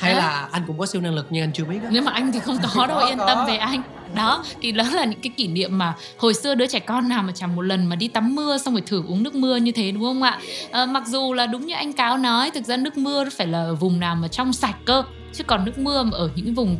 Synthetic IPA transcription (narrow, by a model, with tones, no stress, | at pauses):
ha˧jlaː˨˩ʔa˧ŋkʊ̰˧˥ŋ͡mkɔ˨˦si˧wnaː˧ŋlɨ˨˩k̚ɲɨ˧ŋʔa˧n̟t͡ɕɨ˧əɓi˦˥˦ne˨˦wmaː˨˩ʔa˧jŋt̪ʰi˨˩xə˧wŋ͡mkɔ˨˦ɗə˧wʔi˧ənt̪ə˧mve˨˩ʔa˧jŋ̟ | ɗɔ˨˦t̪ʰi˨˩lə˨˦laː˨˩ɲɨ̰˧˥ŋkaː˨˦jki˧˩nḭ˧˨əmːaː˨˩ | ho˨˩jsɨ˧əɗɨ˨˦ət͡ɕa˧˩jkɔ˧nːaː˨˩wmaː˨˩t͡ɕa˧˩ŋmo˨˩t̚lə˨˩nmaː˨˩ɗi˧t̪a˨˦mːɨ˧əsa˧wŋ͡mve˧˩jt̪ʰɨ˧˩ʔu˨˦ŋnɨ˦˥ək̚mɨ˧əɲɨ˧t̪ʰe˨˦ɗʊ˨˦ŋ͡mhə˧wŋ͡mʔa̰ː˧˨ʔəː˨˩ma˨˩k̚zu˨˩laː˨˩ɗʊ˨˦ŋ͡mɲɨ˧ʔa˧jŋ̟kaː˨˦wnɔ˨˦jt̪ʰɨ˨˩k̚zaː˧nɨ˦˥ək̚mɨ˧ən˦faː˧˩jlaː˨˩vʊ˨˩ŋ͡mnaː˨˩wmaː˨˩t͡ɕɔ˧wŋ͡msaː˨˩j̚kəː˧ | t͡ɕɨ˦˥kɔ˨˩nːɨ˦˥ək̚mɨ˧ə˨˩ʔəː˧˩ɲɨ̰˧˥ŋvʊ˨˩ŋ͡m